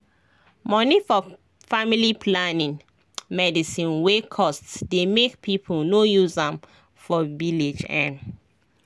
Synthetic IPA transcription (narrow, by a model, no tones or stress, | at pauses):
mɔnifɔ | familipʰlanĩŋ | mɛdisĩnwekʰɔstsdemekpʰipʰolnojuzãm | fɔviled͡ʒɛ̰̃n